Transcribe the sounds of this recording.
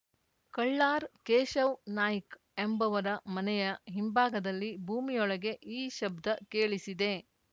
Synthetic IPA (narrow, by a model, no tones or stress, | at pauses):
kɐɭːaːɾkeːʃɐwnaːjik | embɐʋɐɾɐmɐnɛjɐɦimbaːɡɐd̪ɐlːibʱuːmijɔɭɐɡe̞ʔiːʃɐbd̪ʱɐkeːɭisid̪e̞